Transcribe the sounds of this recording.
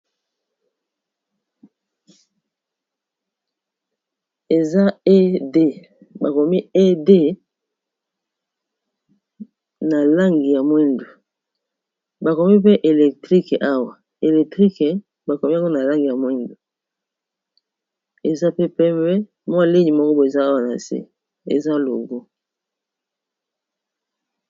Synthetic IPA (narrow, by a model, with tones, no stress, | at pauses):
e˨za˦e˦de˦ | ba˨ko˨mi˦e˦de˦ | na˨la˦ŋɡi˨ja˨mwɛ˦ndo˨ | ba˨ko˨mi˦pe˦ʔe˨lɛ˨k̚tʁi˦kʔa˦wa˨ | e˨lɛ˨k̚tʁi˦ke˨ | ba˨ko˨mi˦a˦ŋɡo˦na˨la˦ŋɡi˨ja˨mwɛ˦ndo˨ | e˨za˦pe˦pɛ˦mbɛ˦ | mwa˦le˦ɲi˨mɔ˦kɔ˦bo˨e˨zaː˦wa˨na̰˨sḛ˦ | ḛ˨za˦lo̰˨ɡo˦